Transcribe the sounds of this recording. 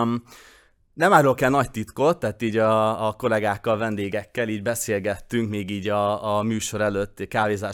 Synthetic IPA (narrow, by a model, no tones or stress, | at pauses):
nɛmaːɾolkɛlnɒct̪it̪ko̞t̪ːaɦːt̪iːɟɒːko̞lɛɡaːkːɒlvɛnd̪eːɡɛkːɛliːɟbɛseːlɡɛt̪ːyŋkmeːɡiːɟɒːmyːʃo̞ɾɛløt̪ːkaːveːzaː